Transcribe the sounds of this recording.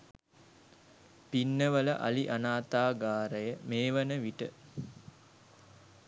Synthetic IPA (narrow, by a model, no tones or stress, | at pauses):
pinːəʋələ̰ʔa̰liʔanaːt̪aːɡaːɾəjəmeːʋənəʋiʈə̰